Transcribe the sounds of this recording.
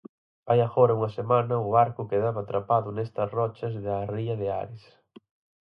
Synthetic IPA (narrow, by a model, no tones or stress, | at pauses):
ajaɣɔɾɐuŋɐsemanɐʊβaɾkʊkeðaβaːt̪ɾapaðʊnɛst̪ɐsrɔt͡ʃɐzðɐriɐðea̰ɾɪs